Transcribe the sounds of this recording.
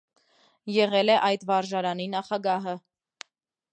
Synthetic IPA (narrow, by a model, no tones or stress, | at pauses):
jɛʁɛlɛʔɑjd̪vɑɾʒɑɾɑninɑχɑɡɑɦə